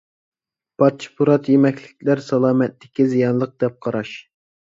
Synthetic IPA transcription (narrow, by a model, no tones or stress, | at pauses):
pʰɑt͡ʃʰi̥pʰuɾɑt̪ʰjemɛkʲlɪkʲlæɾsɑlˠɑːmɛt̪ːɪkʲizijɑnlˠəq̚d̪̥ɛp̚qʰɑɾɑʃ